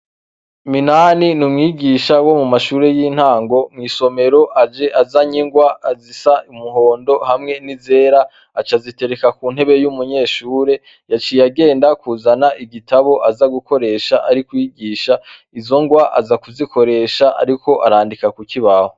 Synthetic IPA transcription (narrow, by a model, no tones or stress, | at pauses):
minaːninumŋiːɡiʃawo̞mumaʃuːɾe̞jiːn̥haːŋɡo̞mŋiːso̞me̞ɾo̞ʔad͡ʒe̞ʔazaɲiŋɡwaːzisaʔumuɦo̞ːndo̞hamŋe̞nize̞ːɾaː | t͡ʃazite̞ɾekakun̥he̞βe̞jumuɲe̞ːʃuːɾe̞ | jat͡ʃijaɡe̞ːndakuːzanaʔiɡitaβo̞ʔazaɡuko̞ɾe̞ːʃaʔaɾikwiːɡiːʃa | izo̞ŋɡwaʔa̰zakuzikʰo̞ɾe̞ʃaʔa̰ɾiko̞ʔaɾaːndikakukʰiβaho